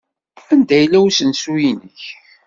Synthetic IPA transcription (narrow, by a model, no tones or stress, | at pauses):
ænd̪æjlːæwsənsujinəç